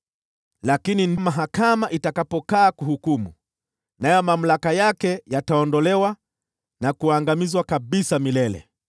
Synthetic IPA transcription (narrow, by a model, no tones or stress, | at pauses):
lakininmaɦakamaʔitakapɔkaːkuhukumṵ | najɔmam̩lakajakɛjataɔndɔlɛwa | nakuaŋɡamizwakaɓisamilɛlɛ̰